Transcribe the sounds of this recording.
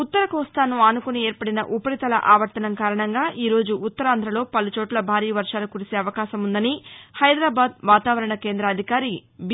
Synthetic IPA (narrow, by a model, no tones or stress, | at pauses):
ut̪ːɐɾɐkɔːst̪aːnuaːnukunieːɾpɐɽinɐʔupɐɾit̪ɐlɐ̰ʔaːʋɐɾʈ̪ɐnɐmkaːɾɐɳɐŋɡaːʔiːɾo̞ːd͡ʒuːt̪ːɐɾaːnd̪ʱɾɐlo̞ːpɐlut͡ʃoːʈlɐbʱaːɾiːɐʋɐɾʂaːlukuɾise̞ːɐʋɐkaːʃɐmund̪ɐnihɐjd̪ɾaːbaːd̪ʋaːt̪aːʋɐɾɐɳɐke̞ːnd̪ɾɐːd̪ʱikaːɾib